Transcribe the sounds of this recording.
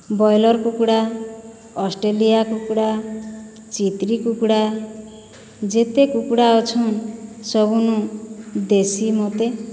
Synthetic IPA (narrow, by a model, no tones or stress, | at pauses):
bɔjlɔɾkukɽa | ɔsʈelijakukɽa | t͡ʃit̪ɾikukɽa | d͡ʒet̪ekukɽaɔt͡ʃʰɔnsɔbunud̪esimot̪e